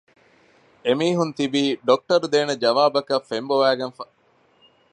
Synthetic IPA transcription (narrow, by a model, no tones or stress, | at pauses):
emiːɦunt̪ibiːɖok̚ʈɐɾud̪eːned͡ʒɐʋaːbɐkɐfemboʋæːɡɐnfɐ